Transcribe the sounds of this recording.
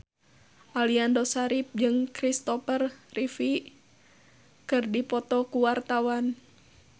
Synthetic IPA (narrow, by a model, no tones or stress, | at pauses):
ʔaliandɔsaɾip̚d͡ʒɨŋkɾist̪ɔfərrifi | kɨrdipɔt̪ɔkuwart̪awan